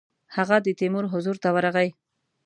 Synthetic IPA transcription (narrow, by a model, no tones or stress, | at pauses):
haɣad̪ət̪imʊɾɦʊzuɾt̪awaɾaɣaj